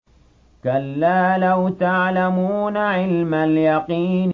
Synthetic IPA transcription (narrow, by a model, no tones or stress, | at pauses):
kalːaːlawt̪aʕlamuːnaʕɪlmaljɑqiːn